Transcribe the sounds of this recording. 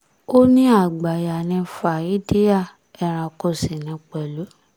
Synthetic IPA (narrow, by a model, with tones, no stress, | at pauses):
o˦nĩ˦a˦˨ɡ͡ba˨ja˨nĩ˧fa˨i˦di˦ja˦˨ | ɛ˧˨ɾ̃ã˧ko˦˨sĩ˨nĩ˨˧k͡pɛ˨lo˨˦